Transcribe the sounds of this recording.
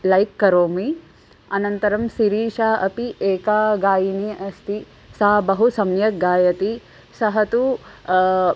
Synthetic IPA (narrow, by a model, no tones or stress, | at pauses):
lɐjkːɐɾoːmi | ɐnɐnt̪ɐɾɐmsiɾiːʃaːʔɐpiʔeːkaːɡaːjiniɐst̪i | sɐɦɐbɐɦusɐmjɐɡaːjɐt̪i | sɐɦɐt̪u